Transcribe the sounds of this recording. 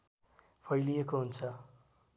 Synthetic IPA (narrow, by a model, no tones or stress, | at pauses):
pʰʌjlijekoɦunt͡sʰʌ